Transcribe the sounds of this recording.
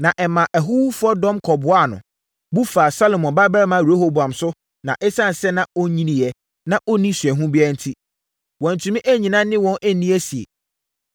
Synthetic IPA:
nã˨ʔɛ˨mã˨ʔæ˨ɦu˦wu˦fʊ˦ɔ˦dɔ̃˦mkʰɔ˨bʊ˨a˦˨nʊ̰̃˨ | bu˦faː˨sa˦lo˨mɔ̃˨nba˦bɛ˦ɾɛ˦mã˦˨e˦ho˦bã˨msʊ˦ | nã˨ʔɛ˦sã˦˨n˨sɛ˦nã˨o˦ɲĩ˦nĩ˨jɛ˦ | nã˨ʔo˦nĩ˦sɥɛ˨ɦũ˦bɪ˦a˦n̩˦tʰi˦ | wɔ̃˨n̩˨tʰũ˨mĩ˦ʔæ˦ɲĩ˨nã˦nɪ̃˦wɔ̃˦nʔæ˦nĩ˦ɛ˦si˨ḛ˨

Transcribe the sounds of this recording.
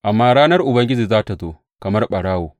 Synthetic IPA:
ʔa˨mːaː˦ɽaː˦nɐ˦rʔʊ˨bɐ˦ŋɡʲɪ˦d͡ʒiː˨zaː˦ta˨zoː˦ | kɐ˨mɐ˦rɓɐ˨ɽaː˦woː˨

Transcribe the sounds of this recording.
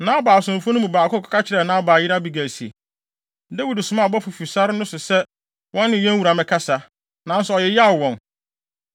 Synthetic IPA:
nãː˦baː˨sʊ̃˨m˨fʊ̃˦nʊ̃˦mũ˨baː˨kʰʊ˦˨kʰḁ˨ka˦t͡ɕʰɪ˦ɾɛ˨nãː˦baː˨jɪ˦ɾa˦bi˦ɡæ˨si˨ḛ˨ | de˦wi˨dsʊ˨mã˦˨bɔ˦fu˨fi˨sa˦ɾɪ˦nʊ̃˦sʊ˨sɛ˦ | wɔ̃˦nː˦ɪ̃˨jɛ̃˦ŋ˦wu˨ɾa˨mɪ̃˨kʰa˦sa˨ | nã˨n˦sɔ˨jɛ˨ja˦˨wɔ̃˨n

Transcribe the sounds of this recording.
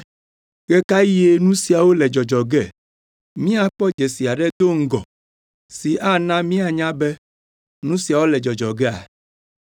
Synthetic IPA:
ɡɛ˦ka˦ji˦e˦nũ˦si˨a˨wo˦lɛ˨d͡ʒɔ˨d͡ʒɔ˨ɡɛ˦˨ | mĩ˦a˨k͡pɔ˦d͡ʒe˨si˨a˨ɖɛ˦d̪o˦ŋ̩˦ɡɔ˨ | si˨ʔa˦nã˦mĩ˦a˨ɲã˦bɛ˦ | nũ˦si˨a˨wo˦lɛ˨d͡ʒɔ˨d͡ʒɔ˨ɡɛ˦a̰˨

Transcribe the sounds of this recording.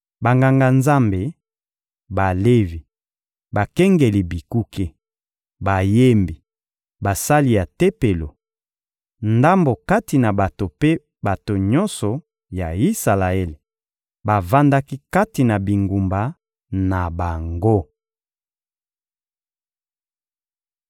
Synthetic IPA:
ba˨ŋɡa˨ŋɡa˨nza˦mbe˨ | ba˨le˦vi˨ | ba˨kɛ˦ŋɡe˨li˨bi˨ku˦ke˦ | ba˨je˦mbi˨ | ba˨sa˦li˨ja˨te˦pe˨lo˨ | nda˦mbo˨ka˦ti˨na˨ba˨to˨pe˦ | ba˨to˨ɲɔ˦nsɔ˨ | ja˨i˦sa˨la˨e˦le˨ | ba˨va˦nda˦ki˦ka˦ti˨na˨bi˨ŋɡu˨mba˨ | na˨ba˨ŋɡo˦

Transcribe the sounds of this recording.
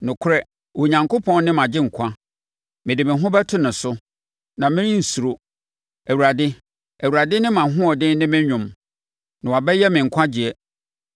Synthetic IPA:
nʊ̃˨kʰʊ˦ɾɛ˦˨ | wo˨ɲã˨ŋko˦pʰɔ̃˦n˦nɪ̃˦mã˨d͡ʑɪ̃˦ŋ̩˨kʷʰã˦ | mɪ̃˨dɪ˨mɪ̃˨ɦʊ̃˦bɛ˦tʰʊ̃˦nʊ̃˨sʊ˦ | nã˨mɪ̃˦nɪ̃˦n̩˨su˨ɾo˦ | æ˨wu˨ɾa˨dɪ˦ | æ˨wu˨ɾa˨dɪ˦nɪ̃˦mã˨ɦʊ̃˦ɔ˨dɪ̃˦nɪ̃˦mɪ̃˦ɲᶣʊ̃˨m | nã˨wa˨bɛ˦jɛ˦mɪ̃˨ŋ̩˨kʷʰã˦d͡ʑi˨ɛ˦

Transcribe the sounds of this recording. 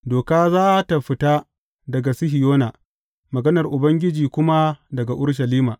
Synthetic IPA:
doː˨kaː˦zaː˦ʔta˨ɸɪ˦taː˦ | dɐ˨ɡa˨sɪ˦ɦɪ˨joː˦na˨ | mɐ˨ɡɐ˦nɐ˨rʔʊ˨bɐ˦ŋɡʲɪ˦d͡ʒiː˨kʷʊ˦ma˦dɐ˨ɡa˨ʔʊ˦ɽʃ̬ɐ˨liː˦maː˨

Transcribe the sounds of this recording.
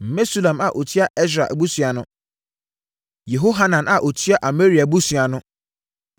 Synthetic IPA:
m̩˨me˦su˦lã˨ma˨ʔo˨tʰi˦a˦ʔɛ˦s̬ɾa̰˨ʔbu˦sɥa˨nʊ̃˦ | je˨ɦo˦ɦa˦nã˨na˨ʔo˨tʰi˦a˦ʔa˨me˦ɾi˨a˨bu˦su˨a˨nʊ̃˦

